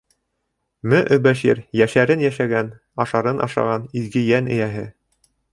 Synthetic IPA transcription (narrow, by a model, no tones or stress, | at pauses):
mɵʔɵ̆bæʃiɾjæʃæɾɘnjæʃæɡæn | ɑʃɑɾɤnʔɑ̰ʃɑ̰ʁɑnizɡɘjænɘ̆jæɦɘ